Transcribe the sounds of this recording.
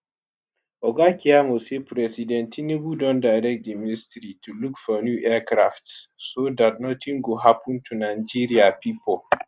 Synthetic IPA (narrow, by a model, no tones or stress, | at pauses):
ʔɔɡakijamosepɾɛsidɛ̃ntʰinebudɔ̃ndajɾɛk̚diministɾitulukfɔnjuʔɛkɾa̰ftssodat̚nɔtʰĩŋɡoɦapũntʰunajd͡ʒiɾiapipɔl